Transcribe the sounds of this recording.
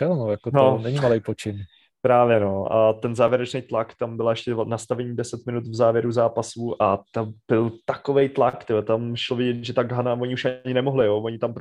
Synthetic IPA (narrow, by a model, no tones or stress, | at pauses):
fɪlnojakononɛɲimalejpot͡ʃɪn | pɾaːvjɛnoat̪ɛnzaːvjɛɾɛt͡ʃnɛjt̪lakt̪ambɪlaɛʃcɛnast̪avɛɲiːdɛsɛt̪mɪnut̪vzaːvjɛɾuzaːpasuʔat̪amb̥ɪlt̪akovɛjt̪lakt̪ɪlt̪amɪʃlovɪɟɛt̪ʒɛt̪aɡɦanavoɲɪuʃaɲɪnɛmoɦlɪjovoɲɪt̪ampɾ